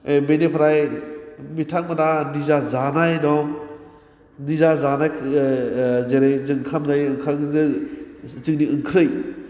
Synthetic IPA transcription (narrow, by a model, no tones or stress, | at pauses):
benepʰɾaj | mitʰaŋmananizazanajnɔm | nizazanajʰ | zeɾejzɯŋkʰamzajɯŋkʰaŋzɯ | t͡ʃɯŋniɯŋkʰɾɯj